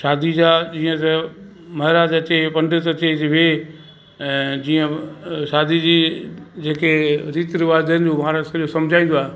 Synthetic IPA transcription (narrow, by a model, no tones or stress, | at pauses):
ʃaːd̪ʱid͡ʑaːd͡ʑiːə̃t̪ɐ | mɐɦɪɾad͡ʑɐt̪epɐ̃ɳɖɪt̪ɐteʋẽ | d͡ʑiːə̃ʃaːd̪ʱid͡ʑiːd͡ʑeːkeɾiːt̪ɾɪʋaːd̪ənɪ̆d͡ʑoːmaːɾsɐʄjosɐ̃md͡ʑʱaːĩn̆d̪oaːɦe